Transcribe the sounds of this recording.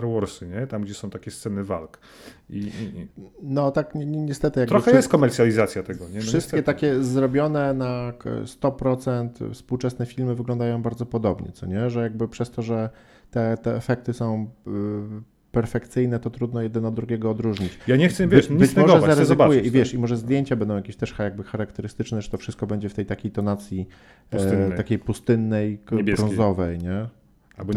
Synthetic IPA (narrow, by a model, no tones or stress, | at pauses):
aɾwɔɾsɨɲɛt̪amɡd͡ʑɛsɔ̃w̃t̪akʲɛst̪sɛnɘva̰lk | i | nɔt̪akɲɛɲɛɲɛst̪ɛt̪ɘjaɡt̪ɾɔxɛjɛst̪kɔmɛɾt̪sʲjalʲizat̪sʲjat̪ɛɡɔɲɛfʂɘst̪k̪ʲɛt̪akʲɛzɾɔbʲjɔnɛnakst̪ɔpɾɔt̪sɛnt̪fspuwt͡ʂɛsnɛfʲilmɘvɘɡlɔ̃nd̪ajɔ̃w̃baɾd̪zɔpɔd̪ɔbɲɛ̰t̪sɔɲɛʐɛjaɡ̚bɘpʂɛst̪ɔʐɛ | t̪ɛt̪ɛːfɛk̚t̪ɘsɔ̃w̃ | pɛɾfɛkt̪sɘjnɛt̪ɔt̪ɾud̪nɔjɛd̪ɛnɔd̪ɾuɡʲjɛɡɔːd̪ɾuʐɲit͡ɕjaɲɛxt̪sɛvɲibɘst͡ɕmɔʐɔɛzaɾɛzɔɛbaujɛʔivʲjɛʂimɔʐɛzd̪ʲjeɲt͡ɕabɛnd̪ɔ̃jakʲeɕt̪ɛʂxajaɡ̚bɘxaɾakt̪ɛɾɘst̪ɘt͡ʂnɛʐɛ̥t̪ɔfʂɘst̪̚kɔbɛɲd͡ʑɛft̪ɛjt̪akʲejt̪ɔnat̪sʲji | t̪akʲejpust̪ɘnːɛjɡɾɔ̃nzɔvɛjɲɛ | ab